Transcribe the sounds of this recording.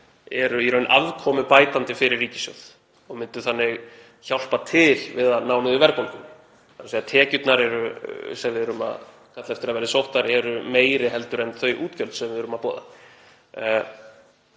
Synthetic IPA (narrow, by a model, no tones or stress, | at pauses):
ɛɾʏiɾœɥnʔaðkʰɔːmʏpaːjt̪ant̪ɪfɪɾɪrːiːcɪ̥sjœ̰wð̥ | ɔɣmɪnt̪ʏθanːɪɣ | çawl̥pat̪ʰɪlvɪðaðnaːwnɪðʏvɛɾkowlkʏm | ansejat̪ʰɛːcʏt̪naɾɛɾʏsɛvɪðɛɾʏma̰ | kʰat̪lɛft̪ɪɾaðvɛːɾðɪsowht̪aɾɛɾʏmeːjɾɪɦɛlt̪ʏɾɛnθœɥʔuːt̪cœlt̪sɛmvɪðɾʏmapɔːða̰